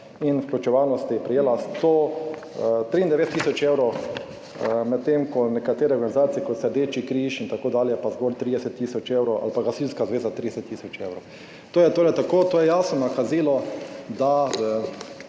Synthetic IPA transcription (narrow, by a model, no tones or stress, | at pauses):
infklut͡ʃɛʋawnɔst̪iɛpɾɛjeːlast̪oː | t̪ɾiːnd̪ɛʋeːt̪t̪ːiːsɔt͡ʃewɾɔw | mɛt̪̚t̪ːemkɔnɛkat̪eːɾɛɔɾɡanizaːt̪siɛkot̪sɛd̪eːt͡ʃikɾiʃint̪akoːd̪aːljɛpazɡolt̪ɾiːd̪ɛsɛt̪ːiːsɔt͡ʃewɾɔʔa̰lpaɡasilnskazʋeːzat̪ɾid̪ɛsɛt̪ːiːsɔt͡ʃewɾɔʊ | t̪oːjɛt̪oːɾɛt̪akoːt̪oːjɛjaːsnɔnakaziːlɔd̪aə